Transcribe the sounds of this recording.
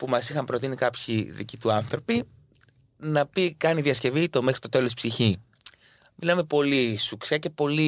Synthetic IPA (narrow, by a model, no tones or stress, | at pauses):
pumɐsixɐmpɾo̞t̪̬inikɐpçiðḭcit̪uɐnθɾo̞pi | nɐpikɐniðiɐsce̞vit̪o̞me̞xɾit̪o̞t̪e̞lo̞si̥psiçi | milɐme̞po̞lisuksiɐce̞po̞li